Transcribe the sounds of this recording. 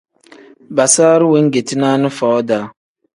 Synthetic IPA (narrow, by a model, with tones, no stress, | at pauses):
ba˨saː˦ɾi˦wi˦ŋ˦ɡe˨ti˦na˦nɨ˦fɔ˨˦ɔ˦daː˨˦